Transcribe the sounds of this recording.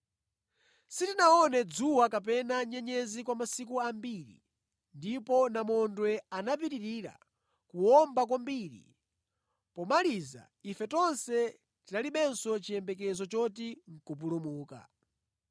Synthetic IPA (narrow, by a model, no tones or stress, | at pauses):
sitinaɔnɛd͡zuwakap̬ɛnaɲɛɲɛzikwamasik̬uambiɾḭ | ndipɔnamɔndwɛanap̬iɾiɾiːɾa̰ | kuwɔmbak̬wambiːɾḭ | pɔmaliza̰ | ifɛtɔnsɛ | tinaliɓɛnsɔt͡ʃijɛmbɛk̬ɛzɔt͡ʃɔt̬iŋ̩kup̬ulumuːka̰